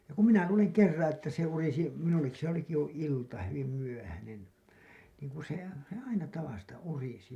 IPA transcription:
jɑ kum minæ luːleŋ kerːɑ̃ː etːæ se urisi minulːekːi se oliki jo iltɑ hyʋim myøhænen niːŋ kun̞ se se ɑinɑ tɑʋɑstɑ urisi

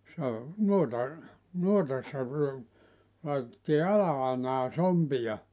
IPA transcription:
se o nuotɑ nuotɑsːɑ lɑitetːiː ɑlɑɑinɑː sompij̆ɑ

